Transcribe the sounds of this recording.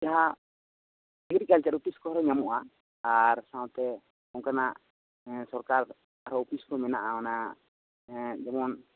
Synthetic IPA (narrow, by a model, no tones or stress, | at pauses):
d͡ʒaɦa | ɛɡɾikalt͡ʃaɾupiskɔaɾɔɲamuʔa | aɾsãwt̪ɛ | ɔŋkanaʔ | sɔɾkaɾ | aɾɔupiskɔmɛnaʔaana | d͡ʒɛmɔn